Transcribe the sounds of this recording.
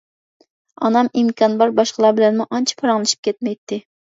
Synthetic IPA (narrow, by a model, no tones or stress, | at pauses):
ɑnɑmimkʲʰɑnbɑɾbɑʃqəlˠɑbɪlɛnmuʔɑnt͡ʃʰi̥pʰɑɾɑŋlˠɨʃi̥p̚kʲʰɛt̪̚mɛjt̪ʰːɪ